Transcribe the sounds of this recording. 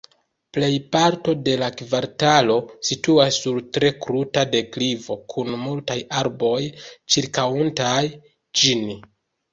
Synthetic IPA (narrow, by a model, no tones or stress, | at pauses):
ple̞jpaɾto̞de̞lakvaɾtalo̞situasːuɾtɾe̞kɾutade̞klivo̞kʰunmultajaɾbo̞jt͡ʃiɾkawuntaj | d͡ʒini